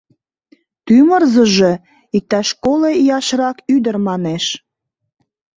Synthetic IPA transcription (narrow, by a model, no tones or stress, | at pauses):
t̪ymərzəʒe̽ | ik̚t̪ɑʃkolejɑʃrɑkyd̪ərmɑneʃ